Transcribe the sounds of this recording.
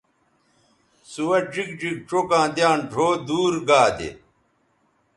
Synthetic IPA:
suwɐʈ͡ʂik̚d͡ʑik̚ʈ͡ʂokãːd̪jãːnɖʱoːd̪uːɾɡaːd̪ḛ

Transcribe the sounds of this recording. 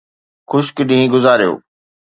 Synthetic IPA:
xʊʃkɪɗĩɦĩɡʊzaːɾijo̰ː

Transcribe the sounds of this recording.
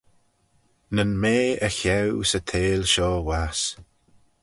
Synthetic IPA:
nənmeːəçɛwsət̪ʰeːlʃɔːwas

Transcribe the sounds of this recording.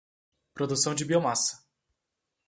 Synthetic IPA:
pɾod̪usɐ̃w̃d͡ʒɪbiomasɐ̥

